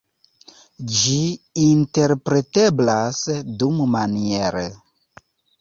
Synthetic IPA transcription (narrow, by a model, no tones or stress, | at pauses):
d͡ʒiinteɾpɾeteblasdummanieɾə